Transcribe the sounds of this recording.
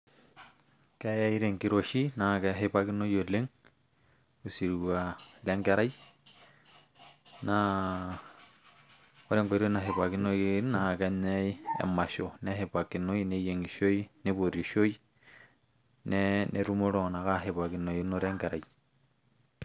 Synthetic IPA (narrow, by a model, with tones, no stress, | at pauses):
kɛ˦ja˦i˦ɾe˨ŋɡi˦ɾo˨ʃi˦na˨kɛ˦ɦepaki˦no˦jo˨le˦ŋ | u˨si˨ɾwa˨lɛ˦ŋɡɛ˦ɾa˦j | na | o˦ɾe˦ŋɡo˨ɾo˦na˨ɦe˨βa˨kino˦na˨kɛɲɛ˦iḛ˨ma˨ʃo˨nɛ˦ɦe˨pa˨ki˨no˦ine˦je˨ŋɡi˨ʃo˦i˦ne˦βo˨ɾi˨ʃo˦i˦ | nɛnʔeɾu˦mo˦ɾo˨na˨ka˦ɦe˨βa˨kino˨i˦no˦ɾɛ˦ŋɡɛ˨ɾa˨ji